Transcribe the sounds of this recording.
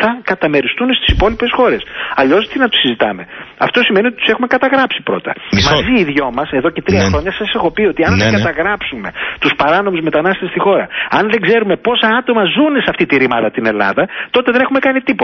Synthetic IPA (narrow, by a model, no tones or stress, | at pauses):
ɐkɐt̪ɐme̞ɾist̪unest̪i̥sipo̞lipe̞sxo̞ɾe̞sɐʎo̞sot̪inɐt̪u̥sizit̪ɐ̰me̞ɐ̰ft̪o̞sime̞nio̞t̪it̪u̥sexume̞kɐt̪ɐɣɾɐpsipɾo̞̰t̪ɐ̰mɐziːðʝo̞mɐse̞ðo̞ce̞t̪ɾiɐɐxɾo̞ɲɐsɐsexo̞pio̞t̪iɐnðeɡɐt̪ɐɣɾɐpsume̞t̪uspɐɾɐno̞muzme̞t̪ɐnɐst̪est̪ixo̞ɾɐ̰ɐnðe̞ɡze̞ɾume̞po̞sɐɐt̪o̞mɐzune̞seɐft̪it̪iɾimɐðɐt̪ine̞lɐ̰ðɐt̪o̞t̪eðenexume̞kɐnit̪ipo